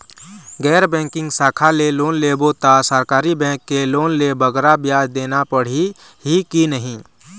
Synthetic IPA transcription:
ɡɛːɾbɛ̃ːŋkɪ̃ŋɡsaːkʰaleloːnlebot̪asəɾkaːɾibɛ̃ːŋkːeloːnlebəɡɾabjaːd͡ʒd̪eːnapəɽ̤i | ɦikinəɦĩ

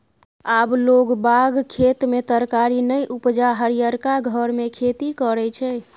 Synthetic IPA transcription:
abloɡbaɡkʰet̪met̪əɾkaɾinəjʔupd͡ʒaɦəɾijəɾkaɡʱəɾmekʰet̪ikəɾɛt͡ʃʰɛ

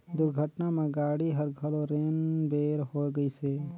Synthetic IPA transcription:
d̪ʊɾɡʱəʈnamẽɡaːɽiɦəɾɡʱəloɾeːnbeːɾɦoɡəiseː

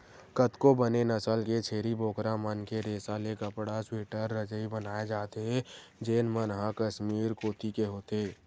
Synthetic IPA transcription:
kət̪kobənenəsəlket͡ʃʰeːɾiboːkɾamənkeɾeːsalekəpɽasweːʈəɾːəd͡ʒəibənaːed͡ʒaːt̪eɦɛd͡ʒeːnmənɦakəʃmiːɾkoːt̪ikeɦoːt̪eː

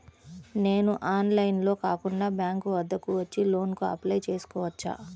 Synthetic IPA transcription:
ne̞ːnuʔaːnlɐjnlo̞ːkaːkuɳɖaːbjaːŋkuʋɐd̪ːɐkuʋɐt͡ʃːilo̞ːnkuɐ̰plɐjt͡ʃe̞ːsu̥kɔːʋɐt͡ʃːa̰ː

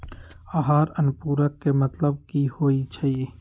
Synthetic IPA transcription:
aɦaːɾənpuːɾəkːemɐt̪ləb̚kihoːit͡ʃʰaieː

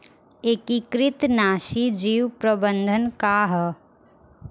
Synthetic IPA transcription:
ekikɾɪt̪naːʃid͡ʒiːwpɾəbənd̪ʱənkaɦə

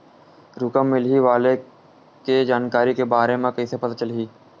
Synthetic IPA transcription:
ɾʊkəmːɪlɦiʋaːle | ked͡ʒaːnkaːɾikebaːɾemẽkɐisepɐt̪at͡ʃəlɦiː

